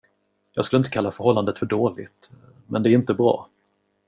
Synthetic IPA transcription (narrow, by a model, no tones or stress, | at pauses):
jɑːɡskɵlɪnt̪əkʰalːafœɾhɔlːand̪ət̪fœɖoːlɪ̰t̪ | mɛnd̪ɛæɾɪnt̪əbɾɑ̰ː